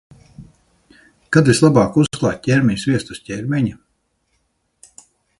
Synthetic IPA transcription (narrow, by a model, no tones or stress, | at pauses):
kad̪islˠabaːkusklˠa̰ːt̪̚ʲcʲɛɾʲmʲɛɲʲsvʲiɛst̪usʲtʲɛɾʲmʲɛɲa